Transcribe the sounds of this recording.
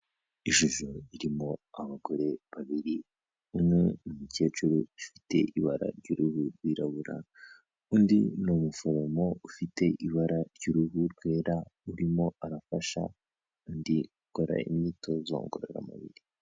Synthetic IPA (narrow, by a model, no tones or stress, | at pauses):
iʒuʒoiɾimo̞aβaɡo̞ɾe̞βaβiɾi | unenumuce̞ːt͡ʃuɾuifi̥te̞̰ʔiβaɾa̰ɾɟuɾuhuɾɡwiɾaβuɾa̰ | undḭnomufoɾomo̞ufite̞ʔiβaɾaɾɟiɾuɦuɾɡwe̞ːɾauɾimo̞aɾafaʃa̰ | undiɡuko̞ɾa̰ḭmitʰo̞zo̰ːŋɡoɾḛɾa̰ma̰βḭɾi